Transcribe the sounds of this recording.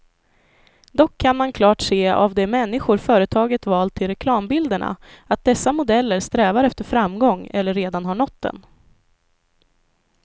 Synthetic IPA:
d̪ɔkʰːanmankʰlɑːʈseːa̰vd̪ɛmɛnːɪɧʊɾfœːɾət̪ʰɑːɡət̪vɑːlt̪ʰːɪlɾɛkʰlɑːmbɪld̪əɳa̰at̪̚d̪ɛsːamʊd̪ɛlːəɾst̪ɾɛːvaɾɛft̪əɾfɾamɡɔŋːɛlːəɾːeːd̪anɦaɳɔt̪̚d̪ɛ̰n

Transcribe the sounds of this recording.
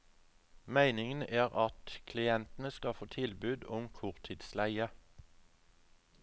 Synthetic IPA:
mæɪnɪŋən̩ʔæːʁɑt̪kʰlɪɛnt̪n̩əskɑfoːt̪ʰɪlbʉːd̪ʊmkʰʊʁt̪ʰɪːd̪slæɪə

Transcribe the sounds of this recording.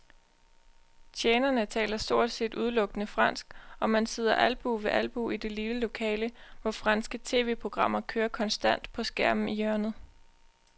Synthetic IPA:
t͡ɕʰjeːnɐnət͡sʰɛ̰ːlɐsd̥o̝ɐ̰d̥se̝̰ːd̥ʔuð̞ˠlɔ̽ɡ̥ənəfʁɑ̈n̰sɡ̥ɒ̽mænse̝ð̞̰ˠɐʔælb̥uʋe̝ʔælb̥uid̥e̝liləlo̝kʰɛ̰ːləʋɒfʁɑ̈nsɡ̥ət͡sʰe̝̰ːʋe̝̰ːpʰʁo̝ɡ̥ʁɑ̈m̰ɐkʰøːɐkʰɒ̽nsd̥æn̰d̥pʰɒ̽sɡ̥æɐ̰mn̩ijɶɐnð̩ˠ

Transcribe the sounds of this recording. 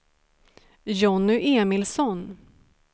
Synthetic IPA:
jɔnʏʔeːmɪlsɔn

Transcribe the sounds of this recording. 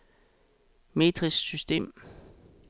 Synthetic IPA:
me̝̰ːd̥ʰʁisːysd̥e̝̰ːm

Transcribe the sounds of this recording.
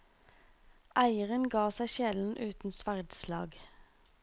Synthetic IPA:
ʔæɪəʁənɡɑːsæɪʃɛln̩ʔʉːt̪n̩sʋæʁd̪slɑ̰ːɡ

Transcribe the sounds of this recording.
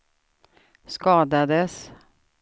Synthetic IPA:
skɑːd̪ad̪əs

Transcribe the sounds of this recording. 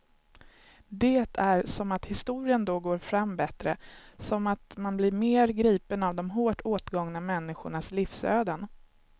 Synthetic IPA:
d̪eːt̪ʰæɾsɔmat̪hɪst̪uːɾɪənd̪ɔɡoːɾfɾamːbɛt̪ɾə̰sɔmat̪manblɪɾmeːɾɡɾiːpənavd̪ɔmɦoːʈʰoːt̪ɡɔŋnamɛnːɪɧʊɳaslifsø̰ːd̪ən

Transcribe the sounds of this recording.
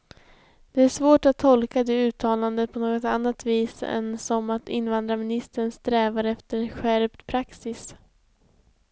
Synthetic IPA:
d̪̥ɛæʂvoːʈat̪ʰːɔlkad̪ɛʉ̟ːt̪ʰɑːland̪əpʰɔnoːɡɔt̪anːat̪viːsɛ̰nsɔmat̪ɪ̰nvand̪ɾamɪnɪst̪əɳst̪ɾɛːvaɾɛft̪əɾɧæɾpt̪pʰɾaksɪs

